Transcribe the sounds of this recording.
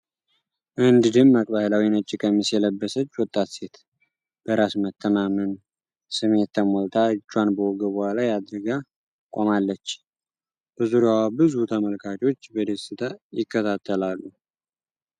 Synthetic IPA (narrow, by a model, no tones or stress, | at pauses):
ʔɨnd̪d̪ɨmːakʼbahɨlawinət͡ʃʼːɪkʼəmisjɛləbːəsət͡ʃːwɔt̪ʼːat̪se̞t̪ | b̥əɾasmət̪ʰːəmamən | sɨme̞t̪ʰːəmolt̪ʰat͡ʃːanbəwɔɡəbəhʷalajad̪ɾɨɡa | kʼomalːət͡ʃː | b̥əzuɾjawabɨzut̪ʰəməlkʰat͡ʃʼo̞t͡ʃːbəd̪esɨt̪ʰajɪkːət̪ʰat̪ʰːəlalːu